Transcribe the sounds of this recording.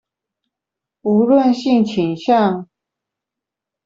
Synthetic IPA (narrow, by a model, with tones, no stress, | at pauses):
u˧˥lwə˥˨nɕi˥˧ŋt͡ɕʰi˨˩ŋɕjɑ˥˨ŋ